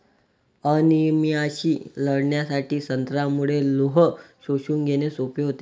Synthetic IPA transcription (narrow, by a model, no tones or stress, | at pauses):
ənimiaɕiːləɽɳjasaʈʰiːsənt̪ɾamuɭeloɦəsoɕuːŋɡʱeñesopeɦot̪e